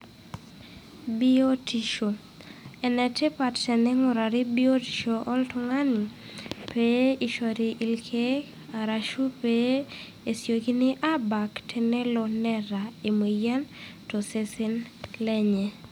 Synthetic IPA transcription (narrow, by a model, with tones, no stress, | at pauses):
bi˦o˦ti˨ʃo˨ | ɛ˨nɛ˨tɛ˦pa˨tt͡ʃɛ˨nɛ˦ŋʊ˨ɾa˨ɾɪ˦bi˦o˦ti̥˨ʃoʔɔ˦ltʊŋa˦ni˨ | pe˦i˨ʃɔ˨ɾi˨ʔi˨lkʰe˦ | a˨ɾa˨ʃu˦pe | e˨sjo˨ɡi˦nɪ˦ʔa˦ba˨ktʰe˨ne˦lɔ˨nɛ˦ɾa˨e˨mwi˨ja˦nto˨sesɪ˦nlɛ˦ɲɛ˨